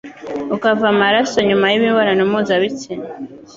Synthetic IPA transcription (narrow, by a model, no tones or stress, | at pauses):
ukavamaɾasoɲumajiβiβaɾanumuzaβit͡sine